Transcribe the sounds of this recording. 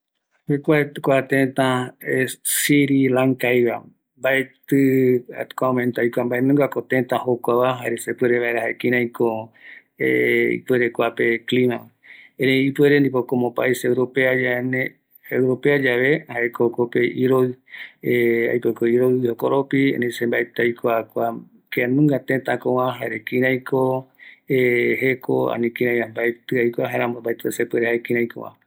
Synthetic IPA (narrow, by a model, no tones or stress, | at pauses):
hekʷakʷat̪ẽt̪ã | siɾilãŋkajβa | mbaet̪ɨ̥ | kãõmẽnt̪oajkʷambaenũŋɡakot̪ẽt̪ãhokʷaβaɦaeɾesepweɾeβaeɾahaekĩɾ̃ãjko | eḭpweɾekʷapeklimã | ẽɾeipweɾend̪ipokomõpaisewɾopead͡ʒane | ewɾopead͡ʒaβehaekokopeʔiɾoɨea̰jkokoiɾoɨihokoɾopiḛnesembaet̪ajkʰoakʷa | keãnũŋɡat̪ẽt̪ãkõwãɦaeɾekĩɾãjkʰoeɦekoa̰nĩkĩɾ̃ãjɾãmbaet̪ɨajkoaɦaeɾãmbombaet̪ɨasepeɾehaekĩɾãjko̰wã̰